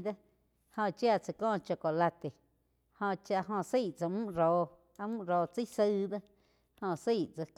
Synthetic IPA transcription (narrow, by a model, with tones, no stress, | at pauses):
d̪a˦ | hõ˧˨t͡ʃja˦˧˨t͡sa˧kɔ̃ː˦t͡ʃa˧ko˨la˧t̪e˨ | hõ˧˨t͡ʃa˧ʔɦõ˧si˦˨t͡sa˧mũ˦ʔɾoː˨ | a˧mũ˦ʔɾoː˨˧t͡si˦sə˦d̪a˦ | hõ˧si˦˨ʔt͡sa˧k